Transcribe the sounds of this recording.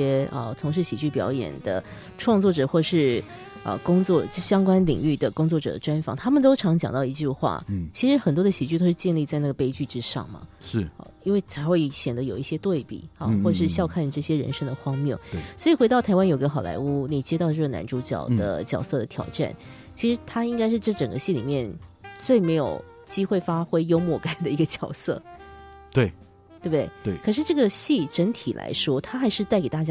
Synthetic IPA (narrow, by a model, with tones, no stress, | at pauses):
ɛ˥ə̰˩t͡sʰʊ˧˥ŋʂɻ̩˥˩ɕi˨˩t͡ɕy˥˩pjɑ˧˥ʊjɛ̰˨˩nd̪ə˦ | ʈ͡ʂʰwɑ˥˧ŋt͡swɔ˥˩ʈ͡ʂɤ˨˩xwɔ˥˩ʂɻ̩˥˩ | ə̰˧kʊ˥ŋt͡swɔ˥˧˥ɕjɑ˥ŋkwa˥nlḭ˨˩ŋy˥˩d̪ə˩kʊ˥ŋt͡swɔ˥˩ʈ͡ʂɤ̰˨˩d̪ə˦ʈ͡ʂwa˥nfɑ˧˥ŋt̪ʰa˥mə˨nt̪̬o˥ʊʈ͡ʂʰɑ˧˥ŋt͡ɕjɑ̰˨˩ŋt̪ɑ˥˩ʊi˧˥t͡ɕy˥˧xwa̰˥˩t͡ɕʰi˧˥ʂɻ̩˧˥xə˨˩nt̪wɔ˥d̪ə˨ɕi˨˩t͡ɕy˥˩t̪o˥ʊʂɻ̩˥˧t͡ɕjɛ˥˧nli˥˧t͡sa˥˧ɪna˥˩ɡə˩pe˥ɪt͡ɕy˥˩ʈ͡ʂɻ̩˥ʂɑ̰˥˩ŋmɐ̰˩ʂɻ̩̰˥˩˧i˥nwe˥˩ɪt͡sʰa˧˥ɪxwe˥˩ɪɕjɛ˨˩nd̪ə˦jo˨˩ʊi˥˩ɕjɛ˥t̪we˥˩ɪpḭ˨˩ɑ˧xwɔ˥˩ʈ͡ʂʂɻ̩˥˧ɕjɑ˥˧ʊkʰa˥˩nʈ͡ʂɤ˥˩ɕjɛ˥ɻə̰˧˥nʂɤ˥ŋd̪ə˨xwɑ˥ŋmjɑ˥˩swɔ˧˥i˨˩xwe˧˥ɪt̪ɑ˥˩t̪ʰa˧˥ɪwa˥njo˨˩i˥ɡə˧xɑ˨˩ʊlʔa̰˧˥ɪu˥ni˨˩t͡ɕjɛ˥t̪ɑ˥˧ʊ˧ʈ͡ʂɤ˥˩ɡə˩na̰˧˥nʈ͡ʂu˧˥t͡ɕjɑ̰˨˩ʊd̪ə̰˦t͡ɕjɑ˨˩ʊsɤ˥˩d̪ə˩t̪ʰjɑ̰˨˥ʊʈ͡ʂa̰˥˩n | t͡ɕʰi˧˥ʂɻ̩˧˥t̪ʰa˥i˥ŋka˥ɪʂɻ̩˥˧ʈ͡ʂɤ˥˩ʈ͡ʂə˨˩ŋɡə̰˦ɕi˥˩lḭ˨˩mjɛ˥˩nt͡swe˥˩ɪme˧˥ɪjo̰˨˩ʊ | t͡ɕi˥xwe˥˩ɪfa˥xwe˥ɪjo˥ʊmwɔ˥˩ka˥˩nd̪ə˨i˧˥ɡə˧t͡ɕjɑ˨˩ʊsɤ̰˥˩ | t̪we˥˩ɪ | t̪we˥˩bd̪we˥˩ɪ˥˩kʰɤ˨˩ʂɻ̩˥˧ʈ͡ʂɤ˥˩ɡə˩ɕi˥˩ʈ͡ʂə˧˥nt̪ʰi˨˩lʔa̰˧˥ɪʂwɔ˥t̪ʰa˥xa˧˥ɪʂɻ̩˥˧t͡sa˥˩ɪke˨˩ɪt̪a˥˩t͡ɕja˥